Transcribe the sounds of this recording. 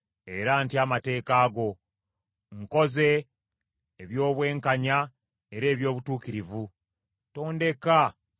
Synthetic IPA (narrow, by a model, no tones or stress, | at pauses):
e̞ɾantiamate̞ːkaːɡo̞ | ŋko̞ze̞ː | βjo̞ːβwe̞ːŋkaɲa | e̞ɾe̞ːβjo̞ːβutuːkiɾivu | to̞ːnde̞ka